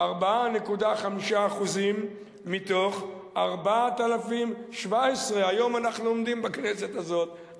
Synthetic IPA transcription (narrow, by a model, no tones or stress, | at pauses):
aʁbaane̞kud̪aχamiʃaːχuzimː | it̪o̞χ | aʁbaat̪alafimʃvaesʁeajo̞manaχnuomd̪imbakne̞se̞t̪azo̞t̪